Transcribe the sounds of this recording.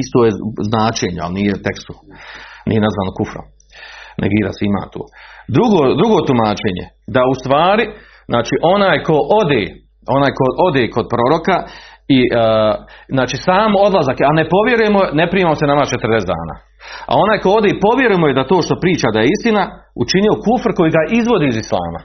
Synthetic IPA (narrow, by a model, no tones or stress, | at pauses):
ist̪ojeznaːt͡ʃeːɲea̰lnijet̪e̞kst̪unḭjenazʋaːnokufɾo̰m | nʔḛɡiːɾa̰seima̰ːt̪o̰ːd̪ɾuɡoːd̪ɾuɡo̞ːt̪umaːt͡ʃe̞ːɲḛ | d̪aust̪ʋaːɾi | znaːt͡ʃiːʔo̞naːjko̞ʔod̪ḛː | o̞naːjko̞ʔo̞d̪eːko̞d̪̚pɾo̞ɾo̞kai | znaːt͡ʃiːsaːmo̞d̪lˠazakanepo̞ʋje̞ɾuje̞mone̞pɾiːmamosenamat͡ʃet̪rd̪esd̪a̰ːna̰ː | a̰o̞naːjko̞o̞d̪epo̞ʋjeɾujemojed̪at̪o̞ːʃt̪o̞pɾiːt͡ʃad̪ajeist̪ina | ut͡ʃinio̞kufɾko̞jiɡaʔizʋo̞d̪iːzislˠa̰ːma̰